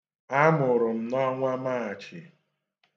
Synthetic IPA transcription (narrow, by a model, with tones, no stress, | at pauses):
a˦mʊ˨ɾʊ˨m̩˨nɔ˦ŋʷa˦ma˦˨a˨t͡ʃɪ˨